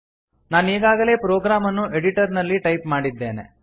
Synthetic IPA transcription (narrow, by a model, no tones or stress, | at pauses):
naːneːɡaːɡɐle̞ːpɾoːɡɾaːmɐnːuʔe̞ɽiʈɐɾnɐlːiʈɐjpmaːɽid̪ːeːnḛ